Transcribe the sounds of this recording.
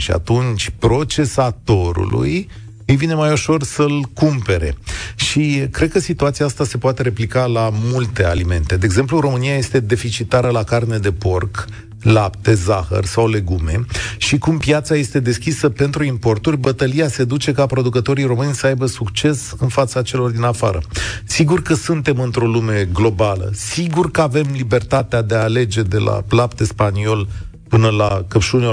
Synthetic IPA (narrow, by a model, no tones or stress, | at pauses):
ʃia̰t̪unt͡ʃʲpɾo̞t͡ʃe̞sat̪o̞ɾṵlṵj | ɨjvine̞majoʃo̞rsəlkumpe̞ɾe̞̰ʃikɾed̪̚kəsit̪uat̪siaast̪ase̞poat̪e̞ɾe̞plikalamult̪e̞a̰lime̞nt̪e̞d̪eːɡze̞mpluɾo̞mɨnijaje̞st̪e̞d̪e̞fit͡ʃit̪aɾəlakarne̞d̪e̞po̞rk | lapt̪e̞zaxə̰rsawle̞ɡume̞̰ʃikumpjat̪saje̞st̪e̞d̪e̞skʲisəpe̞nt̪ɾuimpo̞rt̪urʲbət̪əlijase̞d̪ut͡ʃe̞kapɾo̞d̪ukət̪o̞ɾijro̞mɨnʲsəajbəsukt͡ʃe̞sɨnfat̪sat͡ʃe̞lo̞rd̪inafaɾə̰siɡurkəsunt̪e̞mɨnt̪ɾo̞lume̞ɡlo̞balə̰siɡurkəave̞mlibe̞rt̪at̪ead̪e̞aːle̞d͡ʒe̞d̪e̞la̰plap̚t̪e̞spanio̞l | pɨnəlakəpʃunʲo